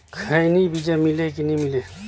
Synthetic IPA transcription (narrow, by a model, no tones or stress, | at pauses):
kʰəjnibid͡ʒemilekinimile